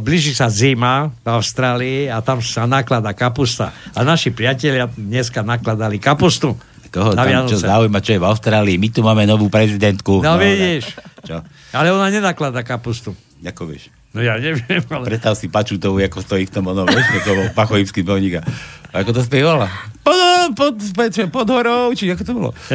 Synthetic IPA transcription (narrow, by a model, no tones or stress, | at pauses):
bliːʒisazimavaʊst̪ɾaːliiat̪amsanaklad̪akapust̪a̰anaʃipɾɪacɛʎɪad̪ɲɛskanaklad̪alikapust̪u | k̪ɔɦɔaʋɪanɔɔzɛzaːujmat͡ʃɔjɛvaʊst̪ɾaːliːmit̪umaːmɛnɔʋuːpɾɛzid̪ɛnt̪kunɔʋiɟiʃt͡ʃɔ | alɛɔnaɲɛnaklad̪akapust̪u | akɔʋɪɛ̰ʃ | nɔjaɲɛʋɪɛmalɛpɾɛt̪st̪aʊsipat͡ʃut̪ɔʊakɔst̪ɔift̪ɔmɔnɔmɛsɲɛkɔlɔpaxɔiskimpɔʊɲikaakɔt̪ɔs̬p̪ɛʋalapɔpɔt̪pɔɛt͡smɛpɔd̪ɦɔɾɔʊt͡ʃiakɔt̪ɔbɔlɔ̰